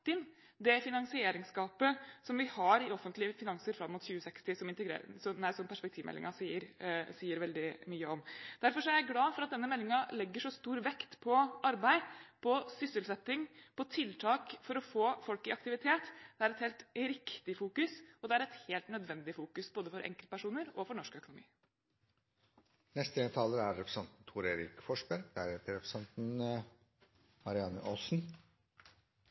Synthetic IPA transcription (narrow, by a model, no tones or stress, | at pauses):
ɪn | d̪ɛfɪnɑŋsɪeːɾɪŋskɑːpəsɔmʋɪhɑɾɪɔfːənt̪lɪəfɪnɑŋsəɾfɾɑmːʊt̪çʉːəsɛkst̪ɪsɔmɪnt̪əɡɾḛːsɔnæɪsɔmpʰæʂpɛk̚t̪ʰiːʋmɛ̰lːɪ̰ŋʔɑsiːəɾsiːəɾʋɛld̪ɪmyːəɔmd̪̥æɾfɔʂɔæɾæɡlɑːfɔɾɑt̪̚d̪ɛnːəmɛlːɪŋɑlɛɡːəʂɔst̪uːɾʋɛkt̪pʰɔʔɑɾbæɪpʰɔsʏsəlsɛt̪ːɪŋpʰɔt̪ʰɪlt̪ʰɑːkfɔɾɔfoːfɔlkɪɑk̚t̪ɪʋɪt̪ʰeːt̪d̪̥ɛæɾɛt̪heːlt̪ɾɪkt̪ɪfuːkʉsɔd̪ɛæɾɛt̪heːlt̪nœd̪ʋɛnd̪ɪfuːkʉsboːd̪əfɔɾʔɛ̰ŋkəlpæʂuːnəɾɔfɔɳɔʂkœkʊnʊmḭː | nɛst̪əent̪ʰɑːləɾæɾɾɛpɾəsɑnt̪n̩t̪ʰuːɾeːɾɪkfɔʂbæɾd̪ææɾheːt̪əɾɛpɾəsɑnt̪n̩ | mɑɾɪɑnə̰ʔɔsn̩